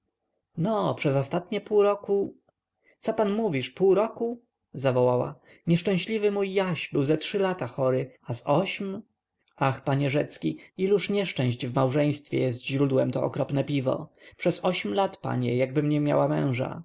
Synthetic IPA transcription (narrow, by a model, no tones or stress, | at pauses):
nɔpʂɛzɔst̪at̪̚ɲɛpuwɾɔku | t̪sɔpanmuvʲiʂpuwɾɔku | zavɔwawa̰ | ɲɛʂt͡ʂɛ̃ɕlʲivɘmujːaɕbɘwzɛtʂɘlat̪axɔɾɘasɔɕm | axpaɲɛʐɛt̪skʲiiluʂɲɛʂt͡ʂɛ̃ɕd͡ʑvmawʐɛ̃j̃st̪fʲjɛ̰jɛst̪ʑɾud̪wɛmt̪ɔɔkɾɔpnɛpʲivɔ̰pʂɛsɔɕmlat̪pa̰ɲɛjaɡ̚bɘmɲɛmʲja̰wamɛ̰̃w̃ʐa̰